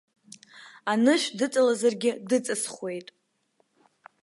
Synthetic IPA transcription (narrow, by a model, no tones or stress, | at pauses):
anɨʃᶣdɨt͡sʼalazarɡʲɪdɨt͡sʼasχwe̞jtʼ